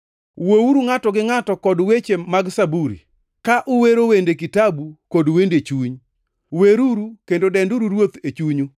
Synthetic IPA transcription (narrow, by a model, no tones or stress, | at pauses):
wowuɾuŋatɔɡɪŋatɔkɔdwet͡ʃemaɡsabuɾḭ | kaʔʊweɾowendekitabukodwendet͡ʃuɲ | weɾuɾukendodɛnduɾuɾwot̪et͡ʃuɲu